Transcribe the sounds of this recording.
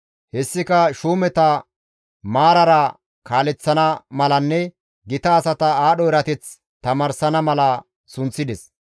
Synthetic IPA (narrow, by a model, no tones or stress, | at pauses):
hɛsːɪkɐʃuːmɛt̪ɐ | maːɾɐɾɐ | kaːlɛt͡sːɐnɐmɐlɐnːɛ | ɡɪt̪ɐːsɐt̪ɐaːɗɔɪɾɐt̪ɛt͡s | t̪ɐmaːɾsɐnɐmɐlɐ | sʊnt͡sːɪd̪ɛs